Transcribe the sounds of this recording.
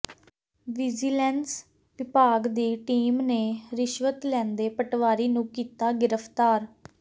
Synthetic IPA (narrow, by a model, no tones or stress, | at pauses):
ʋɪd͡ʒiːlɛːns | ʋɪpaːɡd̪iːʈiːmneːɾɪʃʋət̪lɛ̃ːnd̪eːpəʈʋaːɾiːnũːkiːt̪aːɡɪɾəpʰt̪aːɾ